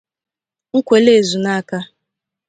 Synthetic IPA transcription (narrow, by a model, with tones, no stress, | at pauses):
ŋ̩˦kʷe˨le˦˨zu˨na˦ka˦